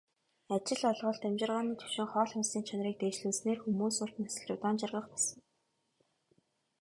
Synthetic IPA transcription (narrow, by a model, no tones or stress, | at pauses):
at͡ɕɪ̆ɮɔɮʁɞ̆ɮt̪æmt͡ɕɪ̆rʁaːniːt̪ʰɵ̥wʃɪ̆ŋχɔːɮxʊnsiːnt͡ɕʰanriːk̚t̪eːt͡ɕɮɘ̆ːsneːrxumuːsʊrt̪nasə̆ɮt͡ɕʊt̪aːnt͡ɕarʁə̆χpasə̆ŋ